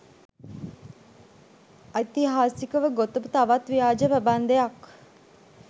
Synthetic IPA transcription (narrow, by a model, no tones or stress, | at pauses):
ait̪iɦaːsikəʋəɡot̪əbut̪aʋat̪ʋijaːd͡ʒəpæband̪ejɐk